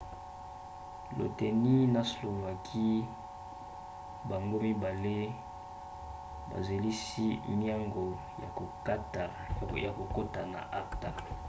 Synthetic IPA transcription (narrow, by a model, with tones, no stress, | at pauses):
lo̰˨te˨ni˦na˨slo˨va˨kʰi˦ | ba˨ŋɡo˦mi˦ba˨le˦ | ba̰˨ze˨li˦si˦ni˦a˦ŋɡo˨ | a˨˦˨ | ja˨ko˨ko˦ta˨na̰˨ʔa˦kta˨